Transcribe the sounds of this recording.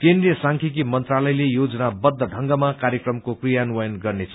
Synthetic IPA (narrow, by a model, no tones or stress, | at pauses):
kend̪rijʌsaŋkʰikimʌnt̪ralʌjlejod͡zʌnabʌd̪ʱːʌɖʱʌŋɡʌmakaɾjʌkrʌmkokrijanuwʌjʌnɡʌrnet͡sʰ